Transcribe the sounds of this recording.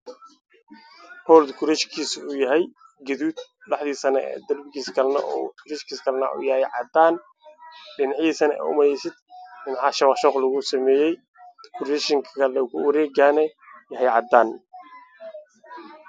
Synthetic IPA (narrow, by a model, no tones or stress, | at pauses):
hɔːld̪kʰʊɾɛʃkʰiːsuːjɐɦɛj | ɡɐðuːd̪lɑħd̪iːsɐnɐ̰ɛ̰d̪ɐlbɪɡiːskʰɐlnɐ̰ʔɔ̰ʊɾɛʃkʰiːskʰɐlnɐ̰ʔṵːjɐhɛjʕɑ̰d̪aːn | ɗɪnʕiːsɐnɛ̰ːʊ̰mɐjɛsɪd̪̚ɗɪnʕɑʃɐwɑħʃɔːqlɐɣʊsɐmɛːjɛj | kʰʊɾɛʃɪŋkʰɐlɛkʊɾɛːɡaːnɛjɐɦɛjʕɑd̪aːn